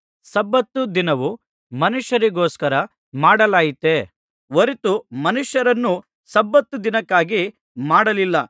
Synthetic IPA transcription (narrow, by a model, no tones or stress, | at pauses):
sɐbːɐt̪ːud̪inɐʋu | mɐnuʂjɐɾiɡoːskɐɾɐ | maːɽɐlaːjit̪e | ʋoɾit̪umɐnuʂjɐɾɐnːu | sɐbːɐt̪ːud̪inɐkːaːɡi | maːɽɐlilːɐ